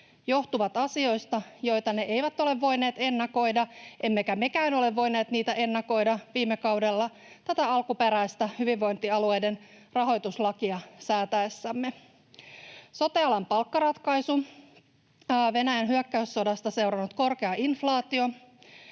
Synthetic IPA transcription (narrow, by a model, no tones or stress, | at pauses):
jo̞ht̪uʋɑt̪ɑsio̞jst̪ɑjo̞jt̪ɑne̞ʔe̞jʋæt̪o̞le̞ʋːo̞jne̞ːt̪e̞nːɑko̞jdɑʔe̞mːekæme̞kæːno̞le̞ʋːo̞jne̞ːt̪niːt̪æʔe̞nːɑko̞jdɑʋiːmːekɑwde̞lːɑ | t̪æt̪æɑlkupe̞ɾæist̪ɑhyʋiʋːo̞jnt̪iɑlue̞jde̞n | rɑɦo̞jt̪uslɑkiɑsæːt̪æesːæmːe | so̞t̪eɑlɑmpɑlkːɑɾɑt̪kɑjsu | ʋe̞næjænɦyøkːæysːo̞dɑst̪ɑse̞wɾɑnut̪ko̞rke̞ɑʔinflɑːt̪io̞